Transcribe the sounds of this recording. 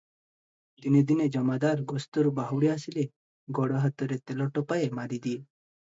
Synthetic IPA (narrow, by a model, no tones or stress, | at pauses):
d̪ined̪ined͡ʒɔmad̪aɾɡɔst̪ɔɾubaɦuwɽiasile | ɡɔɽɔɦat̪ɔɾet̪elɔʈɔpaemaɾid̪ie